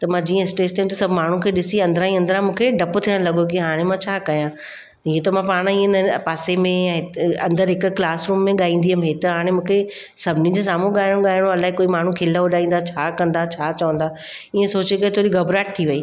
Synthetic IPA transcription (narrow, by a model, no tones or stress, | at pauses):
t̪ɐmãd͡ʑiːə̃ɪsʈeːst̪ʰeũt̪ɐsɐbʱmaːɳ̤ũkʰeːɗɪsiɐ̃nd̪ɾãːĩɐ̃nd̪əɾãmũːkʰeɖɐpt̪ʰiə̃ɽ̃lɐɠokiɦaːɽ̃emãt͡ɕʰaːkɐjãː | ɦiet̪ɐmãpaːɽ̃iẽnpaːsemẽɛ̃ːɐ̃nd̪əɾɦɪkklaːsɾuːmːẽɠaːĩːn̆d̪iɦəmɦet̪ɐɦaːɽ̃ẽmũːkʰe | sɐbʱɪnĩd͡ʑes̬aːmũɠaːɪɽ̃õɠaːɪɽ̃õɐlaːɦekoːimaːɳ̤ũkʰɪlaoɗaːĩːn̆d̪aːt͡ɕʰaːkɐ̃nd̪aːt͡ɕʰaːt͡ɕɐʋə̃nd̪aː | iːẽsoːt͡ɕekɐet̪ʰoːɾiɡɐbɾaːʈ̚t̪ʰiʋɐiː